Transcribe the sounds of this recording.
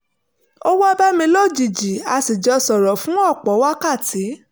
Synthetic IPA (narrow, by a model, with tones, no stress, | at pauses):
o˦wɔ˦˧˦ba˦mĩ˧lo˦˨d͡ʒi˨d͡ʒi˨a˧si˨d͡ʒɔ˧sɔ˨ɾɔ˨fũ˦ɔ˦˨k͡pɔ˨˦wa˦ka˦˨ti˨˦